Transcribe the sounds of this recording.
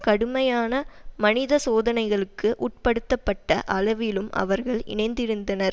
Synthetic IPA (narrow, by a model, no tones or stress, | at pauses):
kɐɽɯmɐjaːnɐmɐnɪðɐsoːðɐnɐɪɣɐɭɯkːɯʔuːʈ̚pɐɽɯt̪ːɐpːɐʈːɐʔɐlɐʋɪlɯmʔɐ̰ʋɐɾɣɐɭɪ̰nɐɪnd̪ɪɾɯnd̪ɐnɐɾ